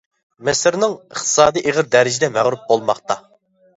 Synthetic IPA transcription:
mɛsɪɾnɪŋəχt̪ʰɨ̥sɑːd̪iʔeʁəɾd̪æɾɪd͡ʒɪd̪ɛmæʁɾup̚bolˠmɑχt̪ɑ

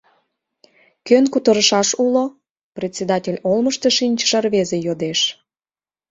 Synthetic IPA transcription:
kønkut̪əɾəʃɑʃulo | prʲet̪ʲsʲed̪ɑtʲelʲolməʃt̪eʃinʲt͡ɕʃərβezejod̪eʃ

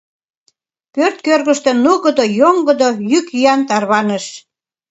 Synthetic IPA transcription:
pørt̪̚kørɣəʃt̪enuɣəd̪ojoŋɡəd̪ojykyjɑnt̪ɑrβɑnəʃ

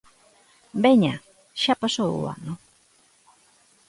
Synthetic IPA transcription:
beɲa | ʃapasoṵa̰no

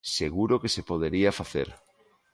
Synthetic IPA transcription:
seɣuɾokesepoð̞eɾiafaθḛɾ

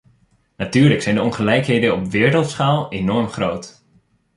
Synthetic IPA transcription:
natyːɹləksɛjndəɔnχəlɛjkɦejdənɔpʋɪːɹɾəlˠtsχaːlˠenɔɹmχrowt

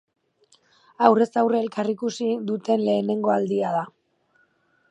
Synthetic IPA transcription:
awre̞sawreelkarikusiðut̪e̞nle̞ːne̞ŋɡoald̪iað̞a

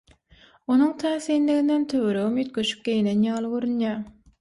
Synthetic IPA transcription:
onuŋt̪ʰæːθiːnliɣind̪ent̪ʰøwøɾøɣymjyt̪̚ɡøʃy̥p̚ɡʲe̞jinenjɑːlˠɯɡøɾynjæ

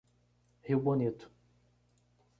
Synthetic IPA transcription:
hiwbonit̪ʊ̥

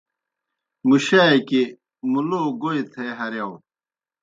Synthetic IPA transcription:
muɕaːeki | muloːɡoit̪ʰeɦɐɾjɐw

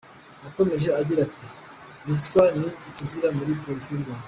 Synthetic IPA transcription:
ako̞me̞ʒe̞aɟiɾati | niskwaniːciziɾamuɾipo̞ɾisiɾɡaa

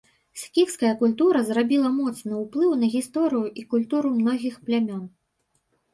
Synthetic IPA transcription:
sʲkʲikskɐjɐkulʲt̪uɾɐzrabʲilˠɐmɔt̪snɨwplˠɨwnɐɣʲist̪ɔɾɨjuʔikulʲt̪uɾumnɔɣʲixplʲamʲɔn

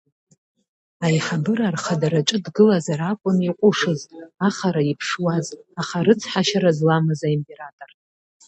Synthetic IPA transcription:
ajħabɨɾarχadaɾat͡ʃʼɨdɡɨlazaɾakʷʼʊniqʷʼʊʂɨzaχaɾaipʰʂwazaχaɾɨt͡sʰħaʃaɾazlamɨzaimpʼe̞ɾatʼor

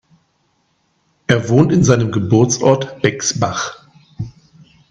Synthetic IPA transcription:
ʔeːɐvoːntɪnzaɪnəmɡəbʊɐt͡sʔɔ̰ɐtb̥ɛksbaχ

